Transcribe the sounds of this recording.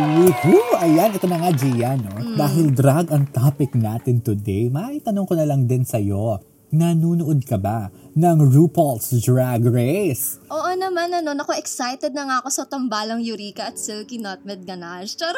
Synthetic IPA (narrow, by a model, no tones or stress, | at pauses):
ihuʔɐjanʔɛt̪omɐŋad͡ʒiːjɐno̞d̪aːɦɪld̪ɾaɡɐŋt̪apɪknaːt̪ɪnt̪ʊd̪ɛjmɐit̪ɐnoŋkonɐlɐŋd̪ɪnsɐjo̞ | nɐnuːnoʔd̪̚kɐba | nɐŋɹuːpolsd̪ɹaɡɹɛsʔoːʔonɐmanɐno̞nɐkoʔɛksajt̪ɛd̪̚nɐŋako̞sɐt̪ɐmbaːlɐŋjʊɾiːkɐɐt̪sɪlkinat̪̚mɛd̪̚ɡɐnaʃt͡ʃɛɾ